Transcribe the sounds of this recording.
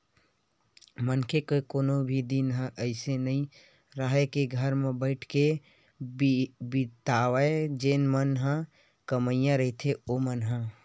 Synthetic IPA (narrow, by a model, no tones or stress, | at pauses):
mənkekekoːnobʱid̪inɦə̃ʔəɪsenəɦĩ | ɾəɦekeɡʱəɾmẽbəɪʈʰke | bɪt̪aːʋed͡ʒeːnmənɦə̃ | kəməɪjãɾəɦit̪ʰeomənɦə̃